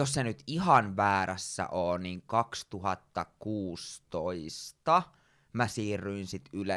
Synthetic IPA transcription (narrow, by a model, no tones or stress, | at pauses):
jossenyt̪iɦɑnʋæːɾæsːæ̰ʔoːniːŋkɑkst̪uɦɑt̪ːɑkuːst̪oist̪ɑ | mæsiːrːyinsit̪yle